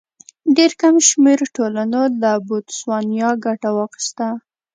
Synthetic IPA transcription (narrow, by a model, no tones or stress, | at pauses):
ɖeɾkamʃmeɾʈolanolabot̪swɑnjɑɡaʈawɑxi̥st̪a